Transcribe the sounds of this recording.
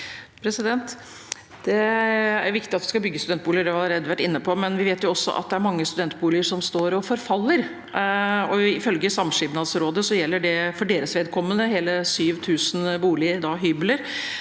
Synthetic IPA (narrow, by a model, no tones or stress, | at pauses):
pʰɾɛsɪd̪ɛnt̪ | d̪̥ɛæɾʋɪkt̪ɪɑt̪ʋɪskɑbʏɡːəst̪d̪ɛnt̪̚buːlɪəɖɛʋɪɑlɾeːd̪əʋæʈːɪnːəpʰɔmɛnʋɪʋeːt̪jʊɔsːɔ̰ʔɑ̰t̪̚d̪ɛæɾmɑŋːəst̪ʉd̪ɛnt̪buːlɪəʂɔmst̪oːɾɔfɔɾfɑlːəɾ | ɔɪfœlɡəsɑmʂɪbnɑd̪sɾoːd̪əsɔjɛlːəɖɛfɔɖeːɾəsʋeːd̪̚kʰɔmːənəɦeːləsyːʋt̪ʰʉːsənbuːlɪəɾd̪ɑɦyːbləɾ